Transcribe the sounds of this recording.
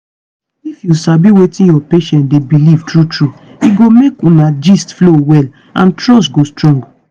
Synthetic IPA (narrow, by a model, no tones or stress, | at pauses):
ifjusabiwetĩnjɔpeʃɛ̃ntdebiliv̥tɹutɹuiɡomekũnad͡ʒistflowɛl | ã̰ntɹɔstɡostɹɔ̃ŋɡ